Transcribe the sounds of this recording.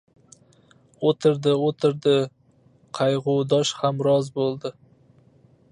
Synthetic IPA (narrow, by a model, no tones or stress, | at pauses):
ot̪ʰɪɾd̪ɪot̪ʰɪɾd̪ɪ | qʰɑjʁʊwd̪ɒʃhamɾɒzbolˠd̪ɪ